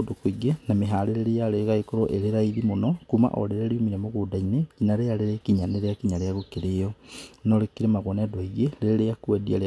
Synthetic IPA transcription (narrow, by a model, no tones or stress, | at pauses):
odokwiɣenameɦaɾeɾeɾejaɾeɣaekoɾoʔeɾeɾaiðimonɔkuma̰ʔɔ̰ɾeɾeɾiomiɾɛmoɣoːdaineɣinaɾeaɾeɾekiɲaneɾeakiɲaɾeaɣokeɾeɔnɔɾekiɾemaɣwoneadwaiɣeɾeɾeɾeakuwɛdiaɾea